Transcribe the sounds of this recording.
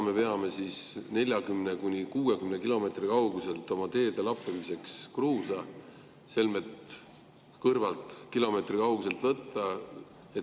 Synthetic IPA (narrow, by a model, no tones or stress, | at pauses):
me̞pe̞ɑme̞sisne̞lʲjɑkymnekunʲikuːe̞kymnekilo̞me̞t̪rikɑwɡ̥use̞lt̪ˑo̞mɑt̪e̞ːd̪̥e̞lɑpːˑemise̞kskruːsɑ | se̞lme̞t̪ | kɤrvɑlt̪ˑkilo̞me̞t̪rikɑuɡs̬e̞lt̪vɤt̪ːˑɑ | e